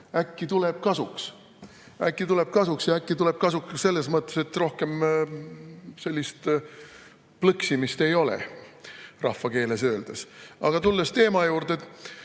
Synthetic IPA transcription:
ækːit̪ule̞b̥̚kɑsuks | ækːit̪ule̞b̥̚kɑsuksjɑækːit̪ule̞b̥̚kɑsukse̞lːe̞smɤt̪ˑːe̞se̞t̪ːro̞hke̞m | se̞lʲːist̪ | plɤksimist̪e̞jo̞lḛ | rɑ̰hfːɑke̞ːles̬ø̞ːld̪̥esɑ̰ɡ̥ɑt̪ulːest̪e̞ːmɑjuːɾd̪̥e

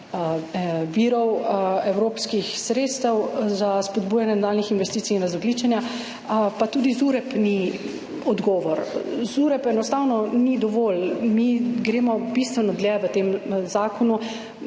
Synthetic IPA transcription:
ʋiːɾɔwɛwɾoːpskixsɾet̪st̪ɛwzaspɔd̪buːjanjɛnad̪aːlnixinʋɛst̪iːsiːnɾazɔɡliːt͡ʃɛnja | pat̪ud̪izuɾɛpni | ɔd̪ɡɔːʋɔɾzuɾɛpɛnɔst̪awnɔnid̪ɔʋoːlmiɡɾeːmɔbist̪ʋɛnɔd̪ljɛʋət̪emzaːkɔnu

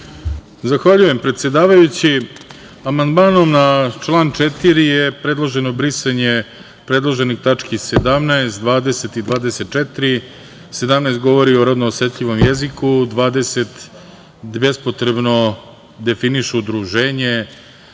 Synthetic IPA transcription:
zaxʋaʎuje̞mpɾe̞t̪sjed̪aːʋajut͡ɕi | amand̪maːno̞mnat͡ʃlˠaːnt͡ʃet̪iɾijepɾe̞d̪lˠoʒe̞no̞bɾisaɲe | pɾed̪lˠoʒenixt̪at͡ʂkised̪amnaest̪d̪ʋaːd̪e̞set̪id̪ʋaːd̪e̞se̞t̪̚t͡ʃet̪ɾi | se̞d̪amnaest̪ɡo̞ʋo̞ɾio̞ɾod̪noːset̪ʎiʋo̞mjezikud̪ʋaːd̪e̞set̪ | bespot̪ɾe̞bno̞ | d̪e̞finiʃuːd̪ɾuʒeːɲe

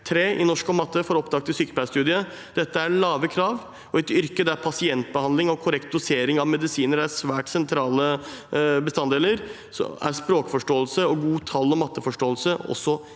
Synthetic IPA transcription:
t̪ʰɾeːʔɪnɔʂkɔmɑt̪ːəfɔɾɔpd̪ɑːk̚t̪ɪsʏːkəlpʰæst̪ʉːd̪ɪə | d̪̥ɛt̪ːəæɭɑːʋəkʰɾɑːʋ | ɔɛt̪ʏɾkəd̪æɾpʰɑsɪɛnt̪̚bəhɑnlɪŋɔkʰʊɾɛkt̪̚d̪ʊseːɾɪŋɑʋmɛd̪ɪsiːnəɾæɾsʋæːʈsɛnt̪ʰɾɑːlə | bəst̪ɑnd̪eːləɾ | sɔ̰æ̰ɾspɾoːkfɔʂʈoːəlsəɔɡuːt̪ʰɑlːɔmɑt̪ːəfɔʂʈoːəlsəɔ̰sːɔ

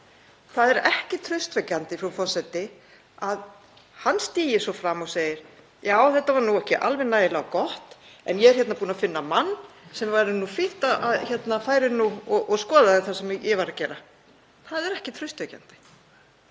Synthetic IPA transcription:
θaðɛɾɛhcɪt̪ʰɾœɥst̪vɛcːant̪ɪfɾafɔsɛt̪ɪ | að | hanst̪iːjɪsɔfɾamɔɣseːjɪɾ̥ | jaːwθɛht̪ːavaɾnuɛhcɪʔa̰lvɛnaːjðɪlaɔkɔht̪ | ɛ̰njɛɛɾ̥çɛt̪napuːnafɪnːamanːsɛmvajɾɪnːufɪht̪aaðçɛt̪nafaːjɾɪnːuɔʔɔɣskɔːðaðɪθasɛmjɛvaɾacɛːɾa | θaðɛɾɛhcɪt̪ʰɾʏɥst̪vɛca̰nt̪ɪ̥

